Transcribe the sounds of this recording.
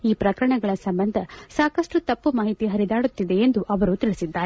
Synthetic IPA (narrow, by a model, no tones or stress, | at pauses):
iːpɾɐkɐɾɐɳɐɡɐɭɐsɐmbɐnd̪ʱɐsaːkɐʂʈut̪ɐpːumaːɦit̪iɦɐɾid̪aːɽut̪ːid̪e̞ːnd̪uʔɐʋɐɾut̪iɭisid̪ːaːɾe